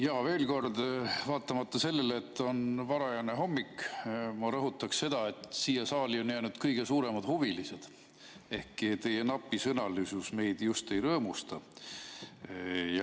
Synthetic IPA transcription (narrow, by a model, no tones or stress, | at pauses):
jɑːve̞ːlko̞rd̪vɑːt̪ˑːɑmɑt̪ːɑse̞lːe̞lːt̪ːˑo̞nvɑɾɑjɑneɦo̞mːikmɑɾɤɦut̪ːˑɑksse̞d̪̥ɑe̞t̪siːjɑsɑːlio̞njæːnud̪̥kɤjɡ̥e̞suːɾe̞mɑd̪̥huvilise̞d̪̥ | e̞hkit̪e̞je̞nɑpːˑisɤnɑlysusme̞jd̪̥just̪e̞jɾɤːmust̪ɑ | jɑ